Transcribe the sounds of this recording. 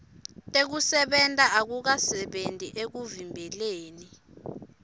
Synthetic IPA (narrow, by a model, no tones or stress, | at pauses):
tʼek̬usɛɓɛntʼaʔak̬uk̬asɛɓentʼiʔek̬uvimbʱɛleːni